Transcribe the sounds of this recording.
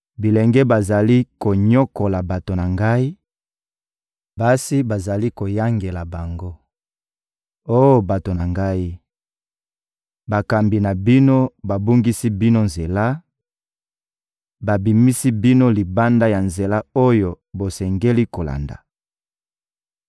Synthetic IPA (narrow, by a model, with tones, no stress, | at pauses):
bi˨lɛ˨ŋɡɛ˦ba˨za˨li˦ko˨ɲo˦ko˨la˨ba˨to˨na˨ŋɡa˦i˦ | ba˦si˦ba˨za˨li˦ko˨ja˦ŋɡe˨la˨ba˨ŋɡo˦ | o˦jo˦ba˨to˨na˨ŋɡa˦i˦ | ba˨ka˨mbi˨na˨bi˦no˦ba˨bo˦ŋɡi˦si˦bi˦no˦nze˨la˦ | ba˨bi˨mi˦si˦bi˦no˦li˨ba˦nda˦ja˨nze˨la˦o˦jo˨ | bo˨sɛ˨ŋɡe˦li˦ko˨la̰˨nda̰˨